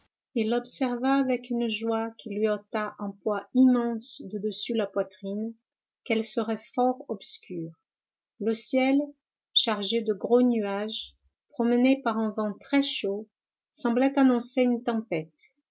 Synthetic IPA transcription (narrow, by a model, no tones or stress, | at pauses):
ilɔbsɛʁvaːvɛkynʒwakʰʲilɥiɔt̪aʔɛ̃pwaimɑ̃sd̪əd̪əsylapwat̪χin | kɛlsəʁɛfɔʁɔbskʲʰyːʁ | ləsjɛl | ʃaʁʒed̪əɡʁonyaʒ | pχɔmənepaʁɛ̃vɑ̃t̪χɛʃo | sɑ̃blɛt̪anɔ̃seynt̪ɑ̃pɛt̪